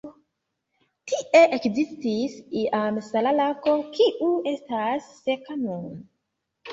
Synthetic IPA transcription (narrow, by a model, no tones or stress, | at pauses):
tiʔe̞ʔekzistisiʔamsalalako̞kiʔuestasːekanon